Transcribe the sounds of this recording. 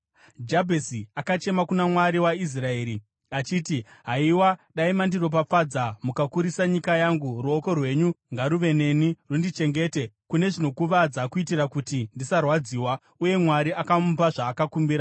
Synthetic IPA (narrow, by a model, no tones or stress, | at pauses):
d͡ʒabʱesiakat͡ʃe̞makunamwaɾiwais̬rae̞ːɾi | at͡ʃiːtiɦaiwaɗaimandiro̞p̬aad͡zamukakuɾisaɲikajaŋɡuruoko̞rwe̞ɲuŋɡaɾuʋe̞ne̞nirundit͡ʃe̞ŋɡe̞ːte̞kune̞ʐino̞kuʋad͡zakuitirakutindisarwad͡ziːwa | uje̞mwaɾiakampaʐaːkakumbiːɾa